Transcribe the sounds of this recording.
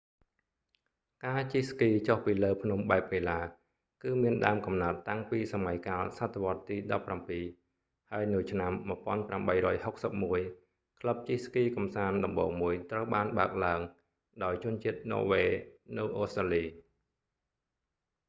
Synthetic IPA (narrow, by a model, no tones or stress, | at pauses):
kaːt͡ɕihskiːt͡ɕohpiːləːpʰnumɓaɛp̚ʋeːlaː | kɨːmiənɗa̰əmkɑmnaət̪ːaŋpiːsamajkaːlsat̪ʰːeʋŏət̪ːiːɗɑpːrampiː | haəjnɨwt͡ɕʰnamːŭəpŏənpramɓəjɾɔːjhok̚səp̚muəj | kʰləp̚t͡ɕihskiːkɑmsaːnɗɑmɓɔːŋmuəjt̪rəwɓaːnɓaək̚laəŋ | ɗaɔjt͡ɕʊ̆ənt͡ɕiət̪̚nɔ̰ːʋeːnɨwʔoːst̪raːliː